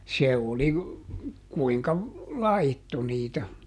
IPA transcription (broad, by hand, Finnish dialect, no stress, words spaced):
se oli kuiŋkɑ lɑitːo niːtæ